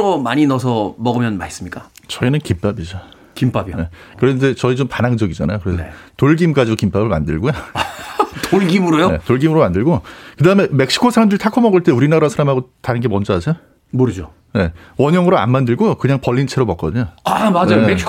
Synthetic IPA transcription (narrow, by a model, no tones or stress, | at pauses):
omaɲinʌsʰʌmʌɡɯmjʌnmais͈ɯmɲik͈a | t͡ɕʌinɯnkimp͈abid͡ʑo | kimpabjone̞ | kɯɾede̞t͡ɕʌit͡ɕompanɦaŋd͡ʑʌɡid͡ʑana̰jokɯɾe̞sʰetoɭɡimk͈ad͡ʑidokimp͈abɯɭmandɯɭɡojo | toɭɡimɯɾojone̞̰toɭɡimɯɾomandɯɭɡokɯdaɦɯme̞me̞k̚ɕ͈ʰi̥kʰosʰaɾamdɯɭtʰakʰomʌɡɯɭt͈e̞uɾinaɾasʰaɾamɦaɡotaɾɯnɡe̞mʌnd͡ʑʌɦasʰe̞jo | moɾɯd͡ʑo | ne̞ | wʌɲʌŋɯɾoa̰nmandɯɭɡokɯɲaŋpʌʎːint͡ɕʰeɾomʌk͈ʌdɯɲoamad͡ʑaoeɕ